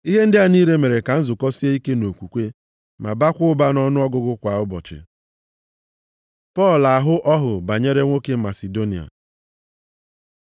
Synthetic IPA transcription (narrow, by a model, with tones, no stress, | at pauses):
i˦ɦe˦n̩˦dɪ˦a˦˨niː˦ɾe˦me˨ɾe˨ka˨n̩˦zʊ˨kɔ˦si˦e˦i˦ke˦no˨kʷu˨kʷe˦ | ma̰˨ba˦kʷʊ˦ʊ˦ba˦nɔ˦nʊ˦ɔ˦ɡʊ˦ɡʊ˦kʷa˨ʊ˦bɔ̰˨t͡ʃɪ̰˨ | pɔ˦˨la˨ɦʊ˦ʔɔ˦ɦʊ˨ba˨ɲe˦ɾe˦ŋʷo˦ke˦ma˨se˨do˦ni˨a̰˨